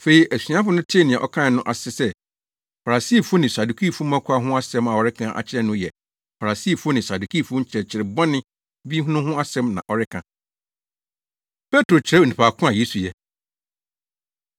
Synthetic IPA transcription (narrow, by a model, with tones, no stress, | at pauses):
fe˨˦i˦ʔæ˨si˨ã˦fʊ˦nʊ̃˦tʰɪ˦nɪ̃˨ɛ̃˨ʔɔ̰˦kʰã˦˨nʊ̃˦ʔa˨sɪ˦sɛ˦ | fa˨ɾa˨siː˦˨fʊ˦nɪ̃˨sa˨du˨kʰi˦˨fʊ̃˦m˦ã˦kʷʰa˦ɦʊ̃˦a˦sɛ̃˦ma˨ɔ˨ɾɪ˦kʰã˦ʔa̰˨t͡ɕʰɪ˦ɾɛ˦nʊ̃˦jɛ˨ | fa˨ɾa˨si˦˨fʊ˦ʊ˦nɪ̃˨sa˨du˨kʰi˦˨fʊ˦t͡ɕʰɾɛ˨t͡ɕʰɪ˨ɾɪ˨bɔ̃˦nɪ̃˦ | bi˦ɦʊ̃˦nʊ̃˦ɦʊ̃˦a˦sɛ̃˦mnã̰˨ʔɔ˨ɾɪ˦kʰã˨ | pʰɛ˦tɾo˨t͡ɕʰɪ˨ɾɛ˦o˨nĩ˨pʰa˨kʰʊ̃˦a˨je˦su˨jɛ˦